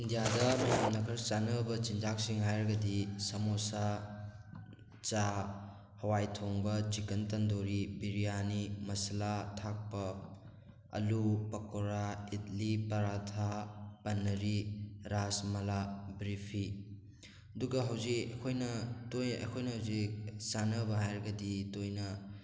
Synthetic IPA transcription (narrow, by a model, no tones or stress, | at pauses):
indijadɐmɐjamnɐkʰɐɾt͡ʃanɐbɐt͡ʃind͡ʒak̚siŋɦajɾɐɡɐdisɐmosa | t͡ʃa | hɐwajtʰoŋbɐt͡ʃikɐntɐndoɾibiɾijanimɐsɐlatʰak̚pɐ | ɐ̰lupɐkoɾaitlipɐɾatʰapɐnːɐɾiɾasmɐlabɾipʰi | ɐduɡɐɦɐwzikɐ̰kʰojnɐtojɐ̰jkʰojnɐɦɐwzik̚sanɐbɐɦajɾɐɡɐditojnɐ